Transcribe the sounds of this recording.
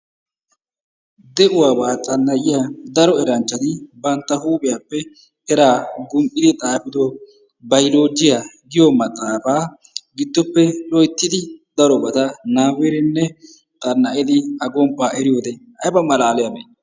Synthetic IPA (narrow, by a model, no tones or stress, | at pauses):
d̪ɛʔʊwaːbaːt̪ʼɐnːɐʔɪjad̪ɐɾɔɛɾɐnt͡ʃːɐt̪ɪbɐnt̪ːɐhuːpʼɪjaːpːɛ | ɛɾaːɡʊmpʼːɪd̪ɪt̪ʼaːfɪd̪o | bɐjloːd͡ʒːɪjaɡɪjɔmɐt̪ʼːaːfaː | ɡɪd̪ːɔpːɛlɔjt̪ːɪd̪ɪd̪̥ɐɾɔbɐt̪ɐnaːwɛɾɛnːɛ | t̪ʼɐnːɐʔɛd̪ɪɐɡɔmpːaːʔɛɾɪjoːd̪ɛhɐjbɐmɐlaːlɛjɐbe